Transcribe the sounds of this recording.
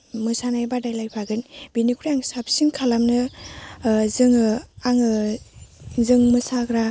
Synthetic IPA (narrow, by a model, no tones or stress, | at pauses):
mɯsanajbadajlajpʰaɡɯnbinikʰuɾjaŋsap̚siŋkʰalamnɯ | zɯŋɯaŋɯ | zɯŋmɯsaɡɾa